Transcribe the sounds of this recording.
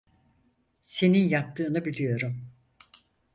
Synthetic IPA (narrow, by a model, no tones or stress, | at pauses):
se̞ninjap̚t̪ʰɯːnɯbilʲijo̞ɾum